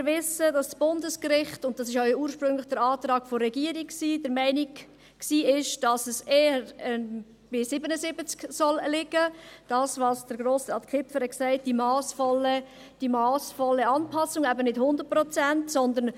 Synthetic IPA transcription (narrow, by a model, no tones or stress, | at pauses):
mɪɾvɪsədɑssb̥ʊndəskɾɪχtʊnt̚d̥ɑsɪʃœʏuːɾʃpɾʏŋlɪχd̥əɾɑːt̪ɾɑːɡ̥fɔɾɛɡiːəɾikksiːd̥əɾmæɪniɡ | ksiːɪʃd̥ɑsəseːəɾə | b̥ɪsɪbənəsɪbət͡sksɔllɪɡəd̥ɑːsvɑsd̥əɾɡɾoːsəɑtkʰɪpfəɾɛksɛɪt̚d̥imɑːsfɔlə | d̥imɑːsfɔlːəɑnpʰɑsʊŋæbənɪthʊndəɾt̚pɾɔt͡sɛntsɔnd̪ən